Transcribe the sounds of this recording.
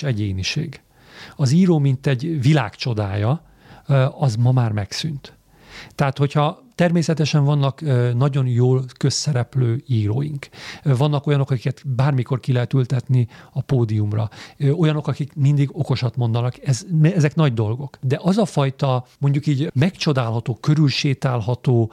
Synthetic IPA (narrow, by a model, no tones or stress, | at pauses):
ɛɟeːniʃḛːɡ | ɒziːɾoːmint̪ɛɟvila̰ːkt͡ʃo̞d̪aːjɒ | ɒzmɒmaːrmɛksynt̪ | t̪ːɛat̪ho̞chɒt̪ɛrmeːsɛt̪ɛʃɛɱvɒnːɒknɒɟo̞njoːlkøsːɛɾɛpløːiːɾo̰ːjḭŋkvɒnːɒko̞jɒno̞kɒki̥kɛt̪baːrmiko̞rkilɛɦɛt̪ylt̪ɛt̪niɒpoːd̪iumrɒ̰o̞jɒno̞kɒkikmind̪iɡo̞ko̞ʃɒt̪mo̞nd̪ɒnɒkɛzmɛzɛknɒɟd̪o̞lɡo̞kd̪ɛʔɒzɒfɒjt̪ɒmo̞ɲɟukiːɟmɛkt͡ʃo̞d̪aːlɦɒt̪oːkøɾylʃeːt̪aːlɦɒt̪oː